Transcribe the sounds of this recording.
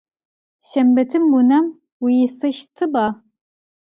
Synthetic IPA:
ʃɐmbɐtʰɨmbunɐm | wijɪsɐʃtʰɨbaː

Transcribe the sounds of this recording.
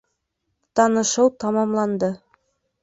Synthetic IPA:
t̪ɑnɤ̆ʃɤwt̪ɑmɑmlˠɑnd̪ɤ

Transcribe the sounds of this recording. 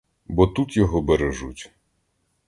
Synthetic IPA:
bɔt̪ut̪jɔɦɔbeɾeʒṵtʲ

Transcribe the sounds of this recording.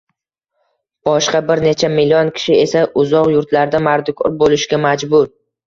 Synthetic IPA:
b̥ɒʃqɑbɪɾne̞t͡ʃʰamɪlʲːiɒnkʲʰɪ̥ʃɪe̞saʔʊzɒqjʊɾt̪laɾd̪amaɾd̪ʊkʰʲɒɾbolɪʃɡʲamad͡ʒbʊɾ

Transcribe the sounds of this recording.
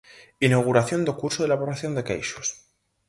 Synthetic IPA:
inawɣ̞uɾaθjo̞nd̪okuɾsoðelaβoɾaθjo̞nd̪e̞kḛjʃo̥s

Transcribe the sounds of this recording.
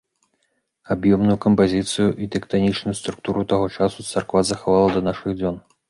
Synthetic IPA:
abjɔmnujukɐmpazʲit̪sɨjuʔit̪ɛkt̪anʲit͡ʂnujust̪ɾuk̚t̪uɾut̪aɣɔt͡ʂasut̪sɐrkvazɐxavalˠɐd̪ɐnaʂɨɣd͡zʲɔn

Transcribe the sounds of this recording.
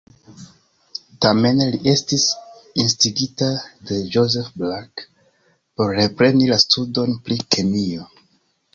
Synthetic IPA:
tame̞nliʔe̞stisinstiɡitade̞d͡ʒoze̞fblak | po̞ɾːe̞pɾe̞nilastʰudo̞npɾikʰenio̞

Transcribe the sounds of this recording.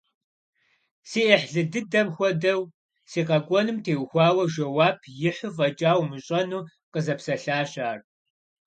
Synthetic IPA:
siːʔɐħɮɨdɨdɐmxʷɔdɐw | siːqɐɡʷʼɔnɨmtʰeːwxʷaːwɐʒɐwaːpʰjɪħʷʊvɐd͡ʒʼaːwmɨɕʼɐnuː | qəzɐpsɐɬaːɕaːr

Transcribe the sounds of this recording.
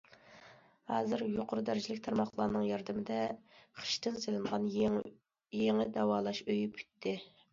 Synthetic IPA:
hɑːzɨɾjoqʰʊɾud̪æɾɪd͡ʒilɪkʲt̪ʰɑɾmɑχlˠɑːnɨŋjɑɾd̪ɨmɪd̪ɛqʰə̥ʃt̪ɨnselɪnʁɑn | jeŋɪd̪ɑwɑːlˠɑʃøjpʰʲy̥t̪ʰːɪ

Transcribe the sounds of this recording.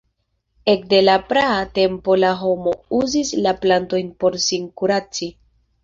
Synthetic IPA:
e̞kde̞lapɾaate̞mpo̞laɦo̞mo̞uzislaplanto̞jnpo̞ɾsiŋkuɾat͡si

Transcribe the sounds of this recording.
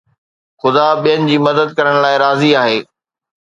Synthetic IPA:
xʊd̪aɓijənɪ̆d͡ʑiːmɐd̪əd̪̚kɐɾəɽ̃laːɪɾaːziaːɦeː

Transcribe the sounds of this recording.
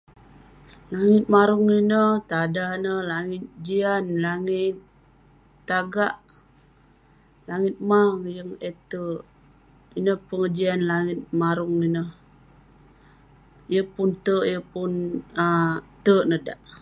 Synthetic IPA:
laŋɪt̪̚maɾuŋinəht̪adahnəlaŋɪt̪̚d͡ʒianlaŋɪt̪̚ː | aɡaʔ | laŋɪt̪̚maŋjəŋet̪əʔ | inəhpəŋəd͡ʒianlaŋɪt̪̚maɾʊŋinəh | jəpunt̪əʔjəpʊnət̪əʔnəda̰ʔ

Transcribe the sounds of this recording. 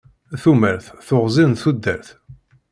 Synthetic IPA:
θuməɾθθoʁzˤinθud̪ːəɾθ

